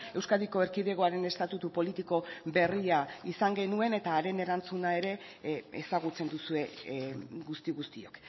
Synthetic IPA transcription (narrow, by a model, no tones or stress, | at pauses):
e̞wskaðiko̞eɾkiðe̞ɣo̞aɾe̞ne̞st̪at̪ut̪upo̞lit̪iko̞be̞riaisaŋɡe̞nue̞ne̞t̪aːɾe̞ne̞ɾant͡sunae̞ɾe̞ | esaɣ̞ut͡se̞nd̪usue̞ | ɡust̪iɣust̪io̞k